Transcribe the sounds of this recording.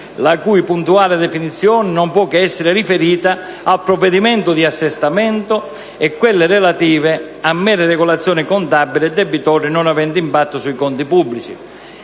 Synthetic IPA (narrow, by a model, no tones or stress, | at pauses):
lakujpunt̪uaːlɪd̪ɛfinit̪sːjɔːnɪnɔmpwɔkːɪɛsːɪɾɪrifeɾiːt̪aː | lpɾɔvːɛd̪imɛnt̪ʊd̪iasːɛst̪amɛnt̪ʊ | ɛkːwelːɪrɛlat̪iːvɪ | amːɛːɾɪrɛɡɔlat̪sːjɔːnɪkɔnt̪abːilɪd̪ːɛbːit̪ɔːɾinɔnavɛnd̪impat̪ːʊsuikɔnt̪ipubːlit͡ʃi